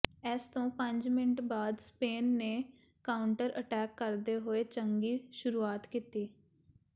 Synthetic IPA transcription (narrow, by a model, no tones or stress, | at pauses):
ɛːst̪õːpə̃ɲd͡ʒmɪnəʈbaːd̪speːnːeː | kaːʊɳʈəɾəʈɛːkːəɾd̪eːɦoeːt͡ʃəŋɡiːʃʊɾuːaːt̪kiːt̪iː